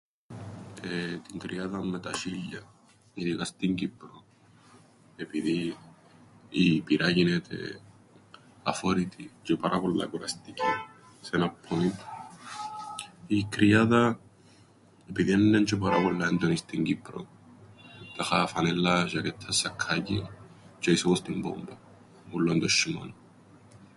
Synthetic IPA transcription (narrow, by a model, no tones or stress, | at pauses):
et̪iŋkɾiaðamːet̪aʃiʎa | iðiɣast̪iŋkipːɾo | epiði | ipiɾʔajinet̪ʰḛ | a̰fɔɾit̪ʰid͡ʒopaɾʔapolːa̰kuɾast̪ike | senapʰːoni | ikɾiaða | epiðiɛnːɛnt͡ʃɔp̬aɾabɔlːaɛnd̪onist̪iŋɡipːɾo̰ | t̪axafanɛlːaʃakɛt̪ʰːasakʰːaɟi | t͡ʃaisɔkɔst̪imbɔ̰mba | ɡulːɔnd̪ɔʃima̰n